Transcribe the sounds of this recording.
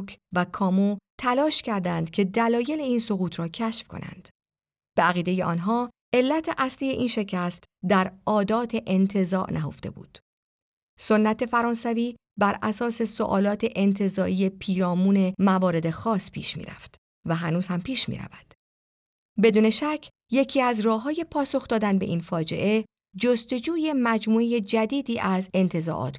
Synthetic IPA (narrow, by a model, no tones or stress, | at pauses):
kʰvækʰɒːmot̪ʰælɒːʃcʰæɾd̪ænd̪̥cʰe̞d̪ælɒːje̞leiːnso̞ɣuːt̪ʰɾɒːcʰæʃfkʰo̞̰nʔæ̰nd̪̥ | b̥eæɣiːd̪e̞je̞ʔɒ̰ːnɦɒː | e̞lːæt̪ʰeʔæsliːje̞ʔiːnʃe̞cʰæst̪ | d̪æɾɒːd̪ɒːt̪ʰe̞ʔent̪ʰe̞zɒ̰ːʔnʔæɦo̞̰ft̪e̞̰bṵːd̪̥ | so̞nːæt̪ʰe̞fæɾɒːnsæviː | bæɾæsɒːse̞so̰ʔɒ̰ːlɒːt̪ʰe̞ʔent̪ʰe̞zɒːʔije̞pʰiːɾɒːmuːne̞mævɒːɾe̞d̪e̞xɒːspʰḭːʃmḭːɾæ̰ft̪ | væɦænuːz̥hæmpʰiːʃmḭːɾæ̰væd̪̥ | be̞d̪uːne̞ʃæcʰ | je̞cʰiːæzrɒːɦɒːje̞pʰɒːso̞xd̪ɒːd̪ænbe̞ʔiːnfɒːd͡ʒe̞̰ʔe̞ | d͡ʒost̪o̞d͡ʒuːje̞mæd͡ʒmuːeje̞d͡ʒæd̪iːd̪iːʔæze̞nt̪ʰe̞zɒ̰ʔɒ̰ːt̪ʰ